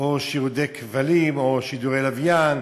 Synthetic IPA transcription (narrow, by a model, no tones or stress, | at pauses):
oʃiʁud̪ejkʰvalimoʃid̪uʁejlavjan